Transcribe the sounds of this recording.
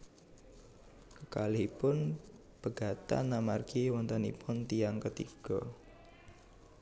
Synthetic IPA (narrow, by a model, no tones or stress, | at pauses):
kəkaliipʊn | b̥əɡ̥a̤t̪a̰nːamarɡiwɔnt̪ənḭpʊnt̪ijaŋkət̪ḭɡ̥ɔ